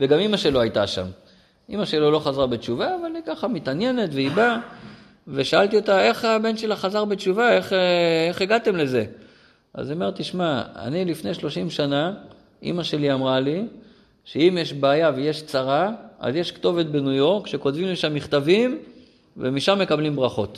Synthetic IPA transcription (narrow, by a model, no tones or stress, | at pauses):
veɡamimaʃe̞lo̞ajt̪a̰ʃa̰m | ʔimaʃe̞lolo̞χazaʁbe̞t͡ʃuvaːvalikaχamit̪anje̞ne̞t̪veiba | ve̞ʃaalt̪io̞t̪ae̞χabe̞nʃe̞laχazaʁbet͡ʃuvae̞χeχeɡat̪e̞mle̞ze̞ | ʔa̰zomeʁt̪iʃmaa̰nilifne̞jʃlo̞ʃimʃana | ʔḭmaʃe̞liamʁali | ʃeimjeʃbaːjaveje̞ʃt͡saʁaa̰zjeʃkt̪o̞ve̞t̪̚be̞nujo̞ʁkʃe̞ko̞tvimliʃamːiχt̪avim | vemiʃamːe̞kablimbʁaχo̞t̪